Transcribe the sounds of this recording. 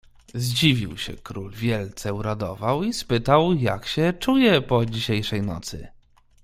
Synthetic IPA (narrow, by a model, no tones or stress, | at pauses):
zd͡ʑivʲiwɕɛ̰kɾulvʲjɛlt̪sɛuɾad̪ɔvawispɘt̪awja̰kɕɛt͡ʂujɛpɔd͡ʑiɕejʂɛjnɔ̰t̪sɘ̰